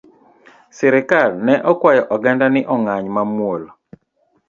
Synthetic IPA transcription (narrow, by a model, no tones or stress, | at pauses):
sɛɾɪkalnɛʔɔkwajɔʔɔɡɛndanɪʔɔŋaɲmamwol